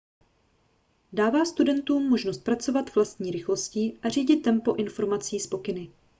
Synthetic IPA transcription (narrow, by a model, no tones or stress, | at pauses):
daːvaːst̪udɛnt̪uːmːo̞ʒnost̪̚pɾat͡so̞vat̪v̥last̪ɲiːɾɪxlo̞sciːʔar̝iːɟɪt̪ːɛmpo̞ʔɪnfo̞ɾmat͡siːspo̞kɪnɪ